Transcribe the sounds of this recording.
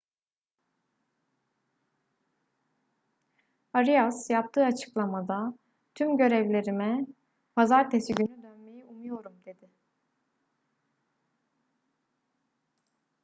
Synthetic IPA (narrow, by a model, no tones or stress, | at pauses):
aɾijasjap̚t̪ʰɯːat͡ʃʰɯ̥klˠamad̪a | t̪ʰymɟø̞ɾɛvlʲe̞ɾimɛ | pʰazaɾt̪ʰe̞siɟynyd̪ønme̞jiʔumujo̞ɾumd̪e̞d̪ɪ